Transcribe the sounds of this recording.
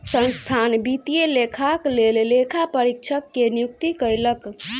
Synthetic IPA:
sə̃nst̪ʰanbit̪ijelekʰaklellekʰapəɾikt͡ʃʰəkːenijuk̚t̪ikəɾlək

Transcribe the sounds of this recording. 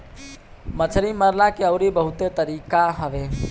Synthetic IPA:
mət͡ʃʰɾiməɾlakeəʊɾibəɦut̪et̪əɾiːkaɦəʋe

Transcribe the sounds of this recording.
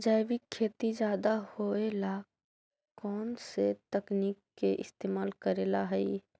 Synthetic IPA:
d͡ʒajbikʰːeːt̪id͡ʒjaːd̪ahoela | kɔːnset̪əknikːeʔɪ̰st̪eːmaːlkəɾeːlaɦɛi

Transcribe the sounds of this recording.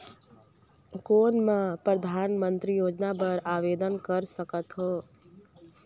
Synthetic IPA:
koːnmẽpɾəd̪ʱaːnmənt̪ɾijoːd͡ʒnapəɾaːʋeːd̪ənkəɾsəkət̪ɦoː

